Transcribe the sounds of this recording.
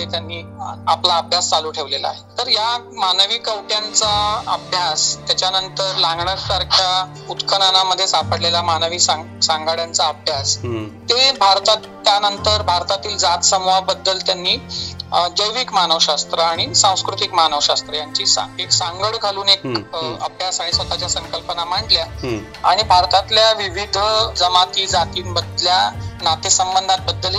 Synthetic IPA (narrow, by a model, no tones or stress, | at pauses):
et̪janːiːaplaəbʱjast͡saluːʈʰeʋlela̰ɦet̪əɾjamanʋikəwʈjant͡saəbʱjast̪jat͡ɕjanənt̪əɾlaŋɡɳəɾsaɾkʰja | ut̪kʰənanaməd̪ʱːjesapəɽlelamanəʋiːsa | sãŋɡaɽjant͡saəbʱjast̪ebʱaɾt̪at̪ː | janənt̪əɾbʱaɾt̪at̪iːld͡zat̪səmʋabəd̪ːəlt̪janːiː | d͡ʑəjʋikmanəʋɕast̪ɾəaɽ̃isãw̃skɾut̪ikmanəʋɕast̪ɾəjaɲt͡ɕiːsa̰eksãŋɡəɽɡʱaluːnekə̰bjasaisʋət̪at͡ɕjasə̃ŋkəlpənam̤aʈlja | aɽ̃ibʱaɾt̪at̪ljaʋiʋid̪ʱd͡zəmat̪iːd͡zat̪iːbəd̪ljanat̪esəmbənd̪ʱat̪̚bəd̪ːəl